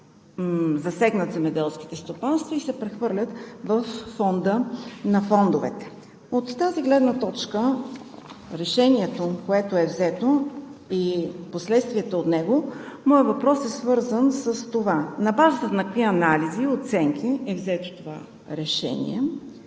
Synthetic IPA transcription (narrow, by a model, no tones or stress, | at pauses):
zɐsɛɡnət̪zɛmɛd̪ɛlˠsk̟i̥t̪ɛst̪opanst̪vɐisɛpɾɛxvɤɾlʲət̪vəfːɔnd̪ənɐfɔnd̪ovɛt̪ɛ̥ | ot̪ːaziɡlɛd̪nət̪ɔt͡ʃkə | ɾɛʃɛniɛt̪okoɛt̪oɛvzɛt̪oiposlɛt̪st̪viɛt̪oːt̪nɛɡomɔjəvɐpɾɔsɛsvɤɾzənsəst̪ovanɐbazət̪ət̪nɐkkviɐnaliziot̪sɛŋk̟ʰiɛvzɛt̪o̥t̪ova̰ | ɾɛʃɛ̰nḭɛ